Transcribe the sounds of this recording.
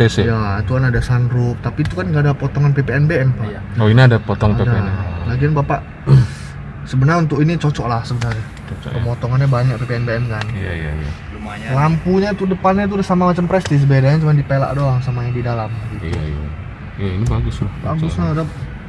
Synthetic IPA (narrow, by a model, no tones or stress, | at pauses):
esɛjat̪ukanadasanɾʊp̚t̪apit̪ukanɡaːdapɔt̪ɔŋanpepeɛnbeɛmpaʔjaoiniadapɔt̪ɔŋapedaelaɡianbapaʔ | səbənarunt̪ʊkinit͡ʃot͡ʃɔʔlahsəbənarɲa | t͡ʃɔt͡ʃɔ̰pəmɔt̪ɔŋanɲabaɲak̚pepeɛnbeɛmkanjaija̰ja̰ | lampuɲat̪udəpanɲat̪̬udasamamat͡ʃampɾɛst̪ɪs̬bedaɲat͡ʃumandipela̰ʔdoaŋsamaɲadidalamɡit̪ṵ | jainibaɡʊslahbaɡʊsɲada